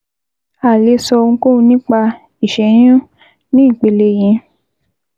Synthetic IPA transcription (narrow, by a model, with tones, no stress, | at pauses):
a˨le˨˧sɔ˧ũ˧ko˦˨˧nĩ˦k͡pa˧ | i˦˨ʃɛ˨˦j̃ũ˦ | nĩ˨˦i˦˨k͡pe˨le˧j̃ɛ̃˧˦